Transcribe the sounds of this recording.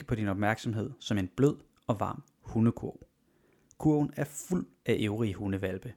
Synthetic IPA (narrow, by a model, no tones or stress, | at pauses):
ə̥pʰɒ̽d̥inɒ̽b̥mæɐɡ̥sɒ̽mɦe̝ð̞̰ˠsɒ̽me̝nb̥løð̰ˠ | ɒ̽ʋɑ̈ːm | huːnəkʰuɐ̰ʊ | kʰuɐ̰ʊn̩æɐful̰ | æʔeʊʁihuːnəʋælb̥ə